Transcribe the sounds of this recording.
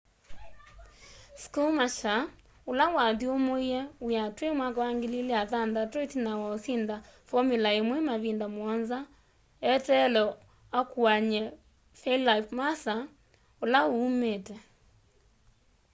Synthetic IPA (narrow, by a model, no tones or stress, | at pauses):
skumaʃa | olawaðiomoiɛojatwemwakawaŋɡelileaðandatɔtinawaosindafɔmilaemwɛmaβindamwɔnza | ɛtɛlɔ | akwaɲɛ | fɛllaifmasa | olaoumetɛ